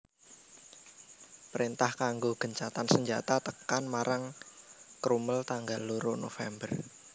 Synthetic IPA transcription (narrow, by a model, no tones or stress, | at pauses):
pɾint̪ahkaŋɡoɡ̥ə̤ɲt͡ʃat̪ansəɲd͡ʒat̪at̪əkanmaɾaŋ | kɾuməlt̪aŋɡalːuɾonofɛmbər